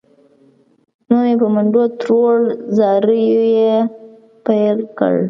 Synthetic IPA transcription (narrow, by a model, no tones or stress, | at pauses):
nomepəmaɳɖot̪ɾolzɑɾəjoje | pajlkə̰ɽ